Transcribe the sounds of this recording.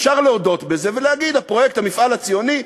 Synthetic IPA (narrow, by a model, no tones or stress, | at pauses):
ʃaʁleodo̞t̪be̞zeveleaɡid̪hapʁo̞jekthamifʔalat͡sijo̞ni